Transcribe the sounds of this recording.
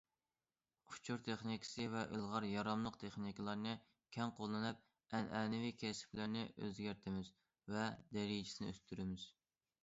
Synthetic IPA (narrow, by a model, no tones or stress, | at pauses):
ʊ̥t͡ʃʰuɾt̪ʰeχnikʲʰi̥sɨvɛʔilˠʁɑɾjɑɾɑmlˠəq̚t̪ʰeχnikʲlˠɑɾnɨ | kʲʰɛŋqʰolˠːɨnɨp̚ | ɛnɛːnɪvikʲʰɛsɪ̥plɪɾnɪʔø̰zɡʲæɾt̪ʰɪmɪz | vɛd̪ɛɾijd͡ʒi̥sɪnɪøst̪ʰyɾɪmɪz̥